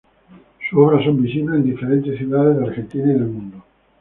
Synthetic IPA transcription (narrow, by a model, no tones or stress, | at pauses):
suoβɾasombisinaend̪ifeɾent̪esθjuðaðezðaɾxent̪inaiðelmũnd̪o